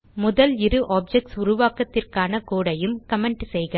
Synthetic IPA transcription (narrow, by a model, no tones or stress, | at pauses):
mʊðɐlɪɾɯʔaːp̚d͡ʒɛk̚ʈsʊɾʊʋaːkɐt̪ːɪrkaːnɐkoːɽɐjɯmkɐmɛɳʈsɛjɣɐ